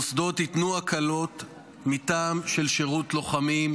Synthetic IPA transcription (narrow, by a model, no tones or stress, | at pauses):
sd̪o̞titnuakʰalo̞t | mitaːmʃelʃeʁutlo̞χamim